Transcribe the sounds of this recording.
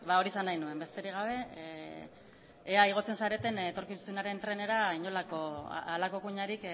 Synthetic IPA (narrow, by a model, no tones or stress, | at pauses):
βao̞ɾisanːajnue̞mbe̞st̪e̞ɾiɣ̞aβ̞e̞ | aiɣ̞o̞t͡se̞nsaɾe̞t̪e̞nːt̪o̞ɾkisunaɾe̞nt̪ɾe̞ne̞ɾaiɲo̞lako̰alako̞kuɲaɾik